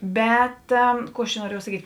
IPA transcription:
ˈbʲɛt ˈkuː ɐʃ t͡ʃʲɛ nuɔˈrʲiɛjɛʊ sɐˈkʲiːtʲ

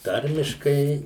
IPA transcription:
ˈtɐrʲmʲɪʃkɐɪ

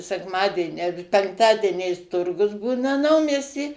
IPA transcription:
sʲɛkˈmɑːdʲiɛnʲɪ ɐ pʲɛŋkˈtɑːdʲiɛnʲɛɪs ˈtʊrɡʊs ˈbuːnɐ ˈnɐʊmʲiɛsʲtʲiː

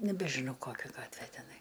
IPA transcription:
nʲɛbʲɛˈʒʲɪnoː ˈkoːkʲɛ ˈɡɑːtʲʋʲeː tʲɛˈnɐɪ

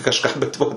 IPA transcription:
kɐʃˈkɑː bʲɛt ˈʋoː

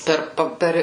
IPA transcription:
ˈpʲɛr ˈpɐ ˈpʲɛr

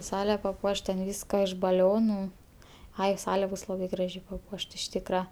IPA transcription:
ˈsɑːlʲɛ pɐˈpuɔʃt tʲɛn ˈʋʲiːskɐ ɪʃ bɐˈlʲoːnʊ ˈɐɪ ˈsɑːlʲɛ ˈbʊs ˈlˠɑːbɐɪ ˈɡrɑːʒʲɛɪ pɐˈpuɔʃt ɪʃ ˈtʲiːkrɐ

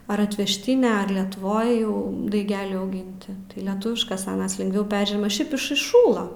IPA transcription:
ɐr ɐtʲʋʲɛʃʲˈtʲɪnʲɛ ɐr lʲɛtʊˈʋoːj jɛʊ dɐɪˈɡʲæːlʲɛɪ ɐʊˈɡʲɪnʲtʲɪ tɐɪ lʲɛˈtʊʋʲɪʃkɐs ɐˈnɐs lʲɪŋɡˈʋʲɛʊ ˈpʲɛrʲʒʲiɛmɐ ˈʃʲɛɪp ɪʃ ɪʃˈʃuːlˠɐ

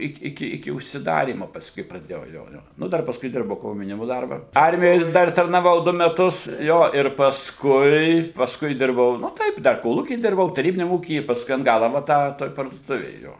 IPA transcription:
ˈɪk ɪˈkʲɪ ɪkʲɪ ʊʃʲsʲɪˈdɑːrʲiːmoː pɐsˈkʊɪ prɐˈdʲeːjɛʊ ˈjoː ˈjoː nʊ ˈdɐr pɐsˈkʊɪ ˈdʲɪrbɐʊ koːmʲjɛʊˈnʲɪmʊ ˈdɐrbɐ ˈɐrʲmʲɪjoːj ˈdɐr tɐrnɐˈʋɐʊ ˈdʊ mʲɛˈtʊs ˈjoː ɪr pɐsˈkʊɪ pɐsˈkʊɪ ˈdʲɪrbɐʊ nʊ ˈtɐɪp dɐr koːˈlˠuːkʲiː ˈdʲɪrbɐʊ tɐˈrʲiːbʲɪnʲɛm ˈuːkʲiː ɪ pɐsˈkʊɪ ɐn ˈɡɑːlˠɐ ʋɐ ˈtɑː toːj pɐrduɔˈtʊʋʲeːj ˈjoː

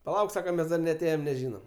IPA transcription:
pɐˈlˠɐʊk ˈsɑːkɐ ˈmʲɛs dɐr nʲɛɐˈtʲeːjɛm nʲɛˈʒʲiːnɐm

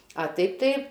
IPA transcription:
ɐ ˈtɐɪp tɐɪ

